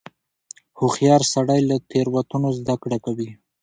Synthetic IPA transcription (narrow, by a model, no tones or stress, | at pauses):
hʊxjɑɾsaɽajlat̪eɾwat̪unozd̪akɽakawi